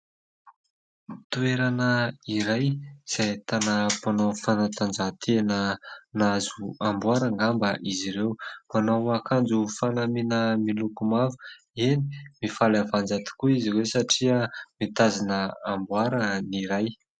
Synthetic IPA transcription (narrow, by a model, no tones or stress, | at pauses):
t̪ueɾanəiɾajz̥ajt̪anəpanofanat̪and͡zat̪ʰenənazuambwaɾəŋɡambəʔiziɾewmanowakand͡zufanaminəmilukumavu̥ | eni̥mifalavand͡zat̪i̥kuiziɾewsaʈ͡ʂiəmit̪azinəambwaɾəniɾaj